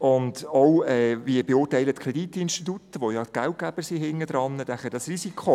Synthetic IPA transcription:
ʊndowɛːviəbeʊːrtæɪlət̪kʰɾed̥it̪ɪnʃtit̪ut̪əʋojɑtɡ̥æwt̚ɡ̥æb̥əsiɦɪŋːəd̥̪ɾɑnːədæχədɑsrisikʰχo

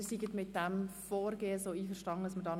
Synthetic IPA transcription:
siɡətmɪt̚dɛmfɔːɾɡeːəsoːiːfəʃtɑnə̥ɑsmədɑːn

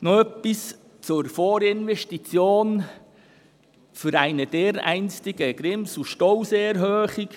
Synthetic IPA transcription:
nɔœpːis | t͡sʊɾfoːɾɪnʋɛʃtit͡sjoːn | fʏɾæɪnəd̥eːɾæ̰ɪnstɪɡ̥əɡɾɪmsuʃtɔwsɛɾɦøːχik

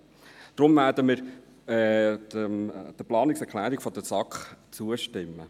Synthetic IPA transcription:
d̥ɾʊmvæːdəmɪɾ | əd̥əplɑːnɪksɛkʰlæːɾiɡ̥fɔd̪əsɑkχt͡suəʃtɪmːə

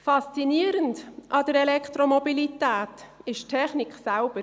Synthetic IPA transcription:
fɑst͡siniəɾəndʔɑd̥əɾɛlɛkʰt̪ɾomɔbilitæːtɪʃtʰːɛχniksælb̥əɾ

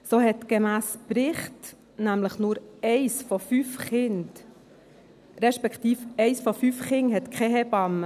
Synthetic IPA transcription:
soːhɛt̪ɡ̥emæːspɾɪχt̪ | næmləχnʊɾɛɪsfɔfyːfχɪnt | ɾɛʃpɛkʰt̪iːfɛɪsfɔfyːfχɪŋɦɛt̪kʰɛɦɛbɑmə

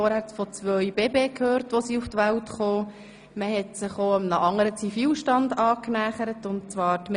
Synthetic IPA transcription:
ɔɾhæɾt͡sfɔt͡sʋœʏbeːbeːkʰhøːɾtʋosiuftʋæltχoː | məɦɛtsɪχoːəmnəʔɑŋːəɾət͡sifiːlʃtɑndɑːknæːχəɾətʊnt̚t͡svɑːɾtm

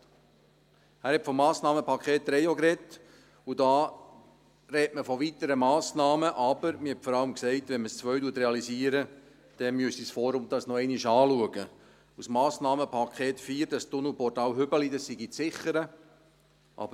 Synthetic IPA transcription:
hæːɾhɛpfɔmːɑːsnɑːməpʰɑkʰeːt̚ːɾɛjokɾɛt | udɑː | ɾɛtməfɔʋit̪əɾəmɑːsnɑːməʔɑb̥əɾmɪhɛtfɔɾɑləmksɛɪtʋɛnməst͡sʋœɥduətɾɛɑlisiːəɾə | d̪̥ɛmyəstisfɔːɾʊmd̥̪ɑsnɔɛɪniʃɑːluəɡə | usmɑːsnɑːməpʰɑkχeːtfiːɾd̥ɑst̪ʊnupɔrtɑlɦʏbəlidəsːiɡit͡sɪχəɾə | ʔɑ̰bə

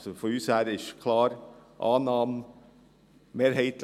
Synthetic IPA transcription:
sɔfɔɾʉːsæːɾɪʃkʰlɑːɾʔɑːnɑːm | meːɾheɪt̪

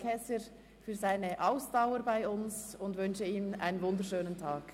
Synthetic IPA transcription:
kʰɛsəɾ | fyːzaɪnəʔaʊsd̥aʊəɾbaɪʊnsʊndʋʏnʃəiːna̰ɪnənvʊndəɾʃøːnəntʰaːk

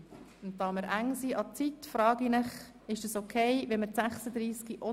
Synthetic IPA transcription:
nttːɑːməɾʔæŋsiːʔɑt͡sitfɾɑːɡinɪχ | ɪʃd̥ɑsokʰeɪʋɛməɾsæχsəd̪ɾiːskiʔɔ

